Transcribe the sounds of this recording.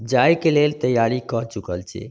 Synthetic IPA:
d͡ʒajkelelt̪əjaɾikəɾt͡ʃukəlt͡ʃʰɛ̰

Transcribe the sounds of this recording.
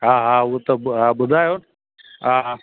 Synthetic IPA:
ɦaːɦãuɦot̪ɐɦãːbʊd̪ʱaːjoːn | ɦãɦ

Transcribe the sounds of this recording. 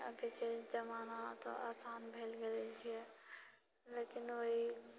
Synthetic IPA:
əbʱiked͡ʒəmaːnat̪o̰ʔa̰ːsaːnbʱeːlɡelelt͡ʃʰiɛː | leːkɪnʋoɦi

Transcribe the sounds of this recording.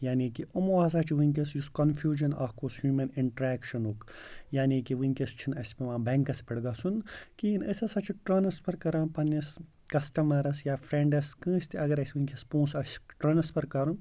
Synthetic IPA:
jaːnikiʔomoas̬at͡ʃʰiʋɨŋkʲɐsjuskɐnfʰjuːd͡ʒɐnɐ̰hkoːshuːmɐniɳʈɾɛːkʃɐnukjaːnikiʋɨŋʲkʲɐst͡ʃʰinɐsʲpeʋãːbɛŋkɐspɐɽɡaːsunkiːnɐsʲɐsɐt͡ʃʰiʈɾɐnɐspɐɾkɐɾãːnpɐnːɐs | kɐsʈɐmɐɾɐsjaːfʰɾeɳɖɐskɨ̃ːsʲt̪ʰiʔɐɡɐɾɐsʲiʋɨŋʲkʲɐspũːsɐsʈɾɐnɐspɐɾkɐɾun

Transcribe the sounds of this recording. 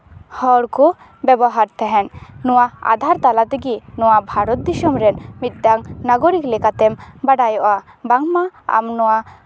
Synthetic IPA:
hɔɽku | bɛbɔɦaɾt̪ʰɛɦɛnnɔwaa̰d̪ʱaɾt̪alat̪ɛɡinɔwabʱaɾɔt̪̚d̪isɔmɾɛnmit̪̚ɖaŋnaɡɔɾiklɛkat̪ɛmbaɖajɔʔa | baŋmaa̰mnɔwa

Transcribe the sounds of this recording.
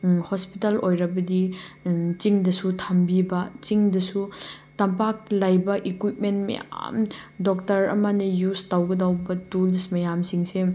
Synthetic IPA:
hospitɐlojɾɐbɐdi | t͡ʃiŋdɐsutʰambibɐt͡ʃiŋdɐsutɐmpak̚lajbɐʔikwit̚mentmɐ̰ja̰mdok̚tɐɾɐ̰mɐnɐjustawɡɐdawbɐtulsmɐjamsiŋse

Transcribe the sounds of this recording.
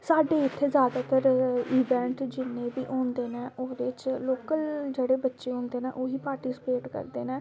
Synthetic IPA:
saːɖeːɪt̪ʰːeːzjaːd̪aːt̪əɾiːʋɛ̃ːɳʈd͡ʒɪnːẽːbḭːʔoːnd̪eːnɛːʔoːd̪eːt͡ʃloːkəld͡ʒeːɽeːbətːʃeːɦʊ̃ːnd̪eːnɛːʔoːɦiːpaːɾʈiːsɪ̥peːʈkə̰ɾd̪eːnɛ̃ː

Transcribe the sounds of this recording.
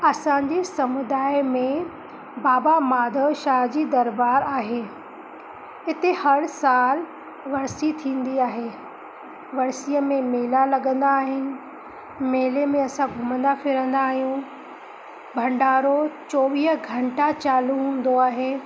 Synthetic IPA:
ɐsãd͡ʑisɐmʊd̪aːimẽ | baːbamaːd̪ʱəʃaːd͡ʑiːd̪ɐɾbaːɾaːɦeː | ɪt̪ehɐɽsaːl | ʋɐɾsit̪ʰĩːn̆d̪iaːɦeː | ʋɐɽsijəmẽmeːlalɐɠə̃nd̪aːɦɪnɪ̆ | meːlemẽɐsãɡʱʊmə̃nd̪afɪɾə̃nd̪aːɦijũ | bʱɐ̃ɳɖaːɾot͡ɕɔːʋiːɦɡʱɐ̃ɳʈat͡ɕaːluɦũːnd̪oaːɦeː

